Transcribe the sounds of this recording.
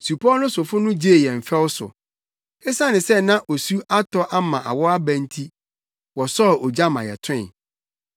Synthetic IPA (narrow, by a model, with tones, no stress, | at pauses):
su˨pʰɔ˦nʊ̃˦sʊ˨fʊ˦nʊ̃˦d͡ʑe˦e˨jɛ˨m̩˨fɛ˦wʊ˦sʊ̰˨ | e˦sã˦nɪ̃˨sɛ˦nã˦ʔo˨su˦ʔa˦tʰɔ˦ʔa˦mã˨ʔa̰˨wɔ˦a˦bæ̃˨n˦tʰi˦ | wɔ˨sɔ˦˨o˨d͡ʑa˦mã˨jɛ̰˨tʰʊ̰̃˦˨